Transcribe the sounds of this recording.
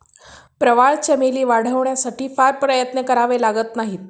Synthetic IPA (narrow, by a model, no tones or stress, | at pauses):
pɾəʋaɭt͡ɕemeliːʋaɽ̤əʋɳjasaʈiːfaɾpɾəjət̪nəkəɾaʋelaɡət̪naɦit̪̚